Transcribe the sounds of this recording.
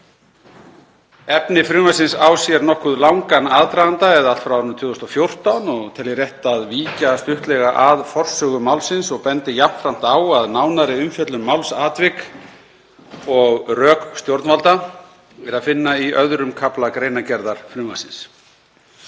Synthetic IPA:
ɛpnɪfɾʏvasɪnsaːwsjɛɾnɔhkʏðlawŋkanaːðt̪ɾajðant̪aɛðalt̪fɾawɾʏnt̪ʰʏːɣʏst̪ɔfjowr̥t̪anɔɣt̪ʰɛljɛɾjɛht̪aðviːcast̪ʏht̪lɛɣaʔaðfɔr̥sœːɣʏmawlsɪnsɔɣpɛnt̪ɪjam̥t̪ɾan̥t̪aːwaðnaːwnaɾɪʏmfjɛt̪lʏnmawlsaːt̪vɪk | ɔɣrœːkst̪jowɾt̪nvalt̪a | ɛɾaðfɪnːaiœðɾʏmkʰaplakɾeːjnacɛɾðaɾ̥fɾʏːvasɪns

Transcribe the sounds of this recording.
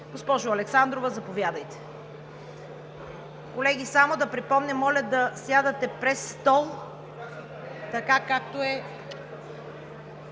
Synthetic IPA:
ɡospɔʒʊɐlɛksand̪ɾovɐzɐpovʲjad̪ɐjt̪ɛ̥ | kolɛɡ̟ʲisamod̪ɐpɾipɔmnʲɐmːɔlʲɐd̪ɐsjad̪ɐt̪ɛpɾɛsːt̪ɔlˠ | t̪ɐkakak̚t̪oɛ

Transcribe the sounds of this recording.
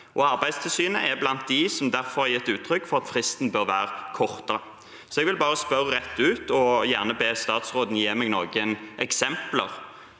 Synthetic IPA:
ʔɔɑɾbæɪd̪st̪ʰɪlsyːnəʔɛblɑnt̪̚d̪ɪsɔmd̪æɾfɔɾhɑjɪt̪ːʉːt̪ʰːɾʏkːfɔʁɑt̪fɾɪst̪n̩bøːɾʋæ̰ːɾəkʰɔʁt̪əɾə | sɔɛɡʋɪlbɑːʁəspœɾɾɛt̪ːʉːt̪ɔjæʁnəbeːst̪ɑːt̪sʁoːd̪n̩jeːmɛɡnɔːɡənʔɛksɛmplə̰ʁ

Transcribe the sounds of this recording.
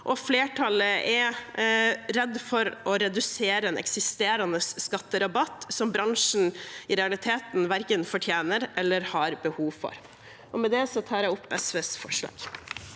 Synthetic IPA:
ʔɔfleːʈʰɑləʔɛ | ɾɛd̪ːfɔɾʔɔɾɛd̪ʉseːɾəɛnɛ̰ksɪst̪eːɾɑnəsːkɑt̪ːəɾɑbɑt̪ːsɔmbɾɑŋʂɳ̩ɪɾɛɑlɪt̪ʰeːt̪nʋæɾkənfɔʈʰjeːnəɾʔɛlːəɾhɑɾbəhuːʋfɔ̰ɾ | ʔɔmɛd̪ɛsɔt̪ʰɑːɾæʊpːɛsʋeːsfɔ̰ʂlɑ̰ːɡ̥

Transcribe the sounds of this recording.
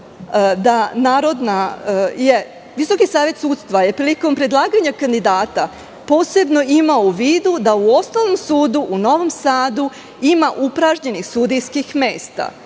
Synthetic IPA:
d̪anaːɾo̞d̪naje̞ | ʋiso̞kisaːʋje̞t̪suːt̪st̪ʋaje̞pɾiliko̞mpɾe̞d̪lˠaːɡaɲakand̪id̪aːt̪a | po̞ːse̞bno̞imauʋiːd̪ud̪auo̞snoʋno̞msuːd̪uʔuno̞ʋo̞msaːd̪u | imaʔupɾaʒɲe̞nixsud̪ijskixme̞ːst̪a̰

